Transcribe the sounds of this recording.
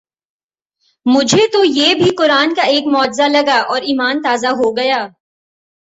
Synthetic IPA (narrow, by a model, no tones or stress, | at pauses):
mʊd͡ʒʱet̪ojeːbʱiqʊɾaːnkaeːkmɔːd͡ʒzalɐɡaʔɔːɾiːmaːnt̪aːzaɦoɡɐjaː